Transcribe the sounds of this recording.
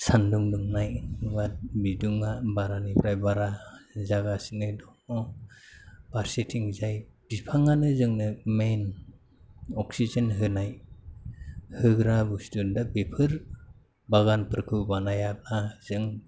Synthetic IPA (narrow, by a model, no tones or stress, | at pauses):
sanduŋduŋnajwat̚biduŋabaɾanipʰɾajbaɾazaɡasinɯdɔɔ | b̥aɾsetʰiŋzajb̥ipʰaŋanɯzɯŋnɯmen | ɔksizɯnɦɯnaj | hɯɡɾabusdundak̚bepʰɯɾ | baɡanpɯɾkʰɯbanajak̚laz̥ɯŋ